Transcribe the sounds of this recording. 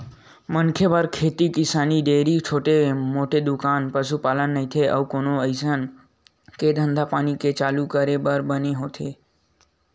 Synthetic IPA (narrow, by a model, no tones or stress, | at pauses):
mənkʰebəɾkʰet̪ikɪsaniɖeɾit͡ʃʰoʈemoʈed̪ʊkanpəʃupalənːəɦĩt̪ʰeʔə̰ʋkonoəjsən | ked̪ʱə̃nd̪ʱapaniket͡ʃalukəɾebəɾbəneɦot̪ʰe